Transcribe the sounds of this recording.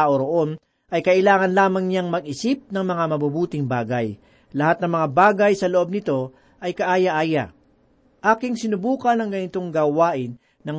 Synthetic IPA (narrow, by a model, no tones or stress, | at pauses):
ʔo̞ɾoʔo̞n | ʔɐjkɐʔɪlaːŋɐnlaːmɐŋɲaŋmɐɡʔɪsip̚nɐŋmɐŋamɐbubuːt̪ɪŋbaːɡɐj | lɐhat̪̚nɐŋmɐŋabaːɡɐjsɐloʔo̞b̚nɪt̪o̞ | ʔɐjkɐʔaːjɐʔaːja | ʔaːkɪŋsɪnʊbuːkɐnɐŋɡɐnɪt̪o̞ŋɡaːwaːʔɪnː | ɐŋ